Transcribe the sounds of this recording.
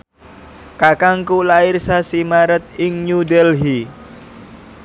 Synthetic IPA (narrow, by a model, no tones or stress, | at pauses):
kakaŋkulairsasimaɾət̪̚ɪŋɲud̪ɛlɦi